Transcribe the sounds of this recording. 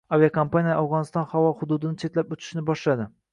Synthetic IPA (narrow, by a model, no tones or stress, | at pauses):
aviakʰompanijaʔawʁɒnɪst̪ɒnhavɒhʊd̪ʊd̪ɪnɪt͡ʃʰe̞t̪lapʊt͡ʃ̪ʰɪ̥ʃnɪbɒʃlad̪ɪ